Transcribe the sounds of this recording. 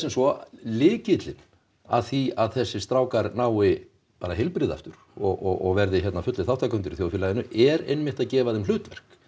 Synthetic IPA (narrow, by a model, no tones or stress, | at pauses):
sɛmsvɔlɪːcɪt̪lɪn | a̰ðθiaðθɛsːɪst̪ɾaːwkaɾnaːwɪ | paːɾaɦejlpɾɪːða̰ft̪ʏɾ̥ | ɔɣɔɣɔɣvɛɾðɪçjɛt̪nafʏt̪lɪθawt̪ʰakœʏnt̪ʏɾiθjoːwfɪlajɪnʏʔɛɾḛjnmɪht̪aðcɛːvaðɛml̥ʏːt̪vɛ̰r̥k